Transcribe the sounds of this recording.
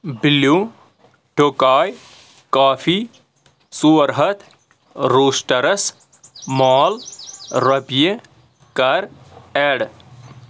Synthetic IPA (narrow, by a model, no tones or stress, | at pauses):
bilu | ʈoːkaːj | kaːfiː | suɾɦɐt̪ | ɾuːʃʈɐɾɐs | maːlɾɐpije | kɐɾeːɽ